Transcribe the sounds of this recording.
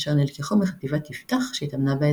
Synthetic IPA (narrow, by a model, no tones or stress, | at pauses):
ʃaʁnelkeχomeχat̪ivat̪ift̪aχʃeit̪amnabee